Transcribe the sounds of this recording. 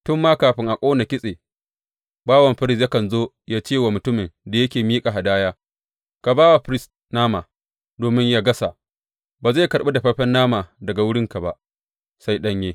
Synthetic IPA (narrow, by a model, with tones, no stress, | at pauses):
tʊ˦mːaː˦kaː˨ɸɪ˦ŋʔa˨kʷʼoː˦na˨kʲɪ˦sʼeː˨ | baː˦wɐ˨mɸɪ˦ɾɪ˦s̬ja˦kɐ˨nzoː˦ | jaː˦t͡ʃeː˦˨waː˨mʊ˨tʊ˦mɪ˨nda˨jɐ˦kʲeː˨miː˦kʼa˨ɦa˨daː˦jaː˦ | ka˨baː˦wa˨ɸɪ˦ɾɪ˦s | naː˦maː˨ | doː˨mɪ˦ɲjaː˦ɡɐ˦sa˨ | baː˨za˦˨kɐ˨ɾɓe˦da˨ɸɐ˦ɸɛ˦nːaː˦maː˨dɐ˨ɡa˨wʊ˦ɽɪ˦ŋka˨ba˦ʔ | sa˦jɗɐ˦ɲjeː˦